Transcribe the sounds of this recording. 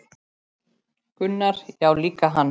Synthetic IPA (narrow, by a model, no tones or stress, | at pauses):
kʏnːaɾ̥jaːwliːkaɦanː